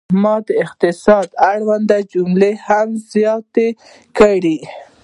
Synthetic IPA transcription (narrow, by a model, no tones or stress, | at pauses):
mɑd̪əɪqt̪ɪsɑd̪aɽwand̪ad͡ʒumlehamz̥jɑt̪e | kəɽi